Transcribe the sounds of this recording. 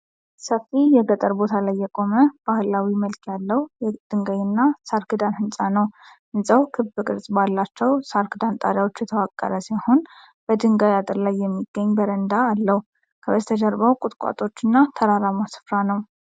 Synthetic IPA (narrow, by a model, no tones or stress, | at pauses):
səfːijɛɡət̪ʼəɾbo̞t̪ʰalajːɛkʼo̞məb̥ahɨlawiməlkʰjalːəhjɛd̪̥ɨŋɡajɪnːasaɾkɨd̪anhɨnsʼanəw | ɨnsʼəwkʰɨbɨkʼɨɾsʼbalːat͡ʃːɛwsaɾkɨd̪ant̪ʼa̰d̪awo̞t͡ʃːjɛt̪ʰəwakʼːə̰ɾəsiho̞n | b̥əd̪ɨŋɡajat̪ʼɨɾlajːɛmːiɡ̥ːəɲːbəɾənd̪aːlːəh | kʰəbəzt̪ʰəd͡ʒəɾbawkʼʊt̪ʼkʼa̰t̪ʼo̞t͡ʃːɨnːat̪ʰəɾaɾamasɨ̥fɾanəw